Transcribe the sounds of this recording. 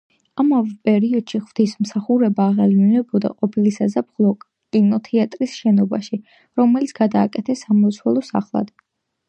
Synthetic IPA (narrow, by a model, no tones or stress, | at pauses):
amavɛpʼɛɾiɔd̪̥ʃiχvd̪ismsaχuɾɛbaːʁɛliminɛbɔd̪a̰qʼɔpʰilisazap̚χlˠɔkʼ | kʼinɔt̪ʰɛat̪ʼɾisʃɛnɔbaʃi | ɾɔmɛlit̪sʰɡ̥ad̪aːkʼɛt̪ʰɛsːamɔt̪sʰwɛlˠɔsa̰χlˠa̰d̪̥